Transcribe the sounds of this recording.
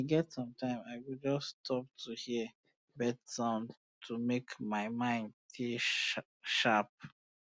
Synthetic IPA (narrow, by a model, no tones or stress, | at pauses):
aɡɛtsɔ̃mtʰãɪ̃maɪwild͡ʒɔsːtʰɔp̚tʰuhiə | bɛdsãʊ̃n | tʰumekmaɪmãɪ̃ndtʰe | ʃap̚